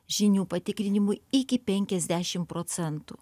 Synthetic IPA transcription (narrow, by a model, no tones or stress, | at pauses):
ʒʲɪnʲuːpɐt̪ʲɪkɾʲɪnʲɪmʊɪɪkʲɪpʲɛŋʲkʲɛzʲd̪ʲæʃʲɪmpɾoːt̪sʲɛnt̪ṵː